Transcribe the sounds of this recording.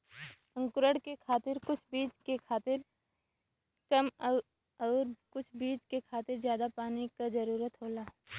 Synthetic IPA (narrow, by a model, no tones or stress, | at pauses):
ɐ̃ŋkʊɾəɽkekʰaːt̪ɪɾkʊt͡ʃʰbiːt͡ʃkekʰaːt̪ɪɾ | kɐm | ɔːɾkʊt͡ʃʰbiːt͡ʃkekʰaːt̪ɪɾzjaːd̪apaːnikazɐɾuːɾət̪ɦoːlaː